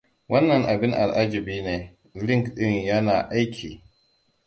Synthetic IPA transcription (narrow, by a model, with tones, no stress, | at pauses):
wɐ˦nːɐ˨ŋʔa˨bɪ˦ŋʔa̰˨lʔa˦d͡ʒɪ˨biː˦neː˨ | lɪ˦ŋkɗɪ˦ɲjɐ˦naː˨ʔa˦jkʲʰiː˨